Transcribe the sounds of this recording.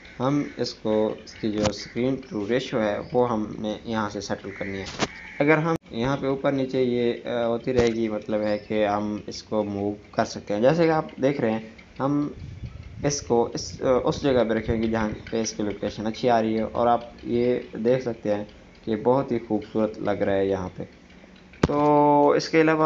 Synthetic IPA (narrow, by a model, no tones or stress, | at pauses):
ɦɐmɪskoskid͡ʒoːskɾiːnʈɾuːɾeːʃoɦɛʋoɦɐmnẽjɐɦãsesɛʈəlkɐɾniɦɛːɐɡəɾɦɐmjɐɦãpeuːpəɾnit͡ʃeijeɦoːt̪iɾɐɦeːɡimɐt̪ləbɦɛkeɦɐmɪskomuːʋkɐɾsɐk̚t̪eɦɛ̃d͡ʒɛːs̬ekeaːp̚d̪eːkʰɾɐɦɛ̃ | ɦɐm | ɪskoɪsʊsd͡ʒɐɡapeɾɐkʰẽkid͡ʒɐɦãpeɪskiloːkeːʃənɐtːʃʰiaːɾɐɦiɦɛʔɔ̰ːɾaːp̚jed̪eːkʰsɐk̚t̪eɦɛ̃ː | kebɐɦʊt̪ɦixuːbsuːɾət̪lʔɐɡɾaɦɛjɐɦãpe | t̪oːɪ̰skeɐlaːʋa